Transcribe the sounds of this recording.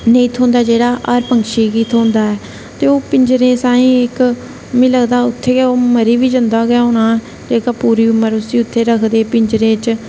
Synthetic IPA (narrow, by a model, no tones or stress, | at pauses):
neĩːt̪ʰõːnd̪aːd͡ʒeːɽaːʔaːɾpəŋkʃiːɡiːt̪ʰoːnd̪aːɛː | t̪eːoːpɪɲd͡ʒɾẽːsãːĩːɪk | mĩːləɡd̪aːʊt̪ʰːeːɡoːməɾiːʋiːd͡ʒənd̪aːɡjaːoːnãː | d͡ʒeːkaːpuːɾiːʊmːəɾʊsĩːʊt̪ʰːeːɾəkʰd̪eːpɪɲd͡ʒɾẽːt͡ʃ